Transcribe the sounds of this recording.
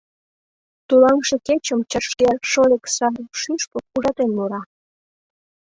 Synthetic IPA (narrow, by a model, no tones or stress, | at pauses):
t̪ulɑŋʃeket͡ɕəmt͡ɕəʃkelʃoleksɑɾpʃyʃpəuɾɑt̪enːuɾɑ